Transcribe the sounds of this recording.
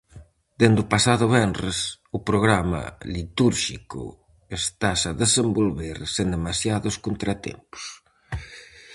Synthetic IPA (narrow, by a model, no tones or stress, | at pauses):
d̪end̪upasaðʊβɛnres | upɾoɣɾamɐ̰lit̪uɾʃikṵ | est̪asaðesembolβeɾsend̪emasjaðʊskunt̪ɾat̪ḛmpu̥s